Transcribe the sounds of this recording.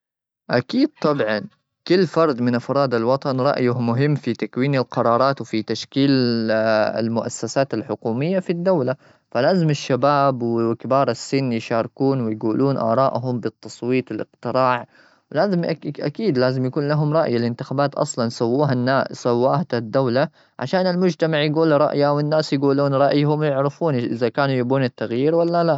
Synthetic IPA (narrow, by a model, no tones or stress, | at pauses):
ʔakiːd̪̥̚t̪ˤɑbʕɑn | kʊlːfɑɾˤd̪ˤmɪnʔafɾˤɑːd̪alwɑt̪ˤɑnɾˤɑ̰ʔjʊhmʊɦɪmːfit̪akwiːnalqɑɾˤɑːɾˤɑːt̪wɪfit̪aʃkiːl | ɪ̰lmʊʔasːasaːt̪alħʊkuːmɪjːafid̪ːawla | falaːzɪmaʃːabaːbwɪkɪbɑːɾˤasːɪnːjʃɑːɾˤkuːnwɪjɡuːluːnʔɑ̰ɾˤɑːʔɦʊmbɪt̪ːɑsˤwiːt̪ˤwɪlʔɪ̰qt̪ɪɾɑːʕ | wɪlaːzɪmʔakiːd̪laːzɪmjakuːnlaɦʊmɾˤɑʔjalɪnt̪ɪxaːbaːt̪ʔɑ̰sˤlɑnsawːuːɦanːaːsawːaːhat̪ad̪ːawla | ʕa̰ʃaːnɪlmʊd͡ʒt̪amaʕjɡuːlɾˤɑ̰ʔjawɪnːaːsjɡuːluːnɾˤɑʔjhʊmjɪʕɾɪfuːnʔɪðakaːnujabuːnat̪ːaɣjiːɾwalːala